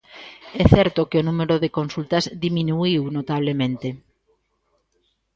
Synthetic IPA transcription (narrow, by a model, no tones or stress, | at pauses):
ɛθɛɾt̪okeonumeɾoðekonsult̪ɐzðiminuiwnot̪aβ̞lemẽnt̪e